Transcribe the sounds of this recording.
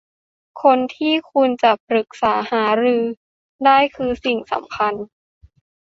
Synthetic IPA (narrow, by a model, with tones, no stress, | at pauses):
kʰo˧nt̪ʰiː˥˩kʰu˧nt͡ɕa˨˩pɾɯ˨˩k̚saː˩˦haː˩˦ɾɯː˧ | daː˥˩jkʰɯː˧si˨˩ŋsa̰˩˦mkʰa˧n